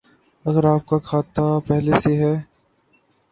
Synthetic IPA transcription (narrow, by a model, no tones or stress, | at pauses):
ɐɡəɾaːp̚kakʰaːt̪apɛɦleseɦɛː